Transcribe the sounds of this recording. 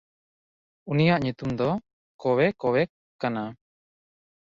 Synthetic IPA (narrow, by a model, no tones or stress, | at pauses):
unijaʔɲut̪umd̪ɔ | kɔwɛkɔwɛ | kana